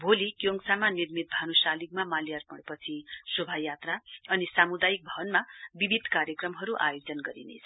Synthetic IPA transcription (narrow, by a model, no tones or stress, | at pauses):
bʱolikjoŋsamanirmit̪̚bʱanusalik̚mamaljarpʌɽpʌt͡sʰisobʱajat̪raʌnisamud̪ajik̚bʱʌbʌnmabibʱid̪ʱkaɾjekrʌmɦʌɾuʔa̰jod͡zʌnɡʌɾḭnḛt͡sʰʌ